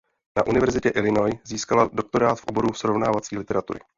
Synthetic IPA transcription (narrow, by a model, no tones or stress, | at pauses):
naʔunɪvɛɾzɪcɛʔɪlɪno̞jziːskalado̞k̚t̪oɾaːt̪fʔo̞bo̞ɾufsɾo̞vnaːvat͡siːlɪt̪ɛɾat̪ṵɾɪ̰